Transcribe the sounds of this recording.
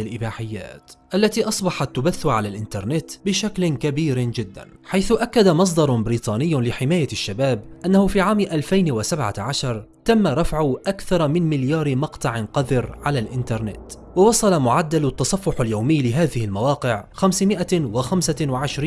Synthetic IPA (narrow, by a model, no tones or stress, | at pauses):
ɪlʔɪbaːħɪjːa̰ːt̪ʔalːat̪iːʔɑsˤbɑħɑt̪ːʊbaθːʊʕalaːlʔɪnt̪ɑɾˤnɪt̪bɪʃaklɪkabiːɾd͡ʒɪd̪ːa̰n | ħajθʊʔakːad̪amɑs̬ˤd̪ɑɾˤbɪɾiːt̪ˤɑːnɪjːlɪħɪmaːjaʃːabaːbʔanːahʊfiːʕaːmʔalfajnwasabʕa̰ʕaʃɑɾˤt̪amːaɾˤɑfʕʊʔakθɑɾˤmɪnmɪljaːɾɪmɑqt̪ˤɑʕɪnqɑd̪ɪɾʕalaːlʔɪnt̪ɑɾˤnɪ̰t̪ | wɑwɑsˤɑlamʊʕad̪ːalt̪ːɑsˤɑfːʊħaljawmɪjːlɪɦaːðɪhɪlmawɑːqɪʕxamsmɪʔawɪxamsawaʕɪʃɾiː